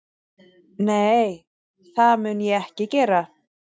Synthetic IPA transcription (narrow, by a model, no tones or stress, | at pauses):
neːj | θaðmʏnjɛɛhcɪcɛːɾa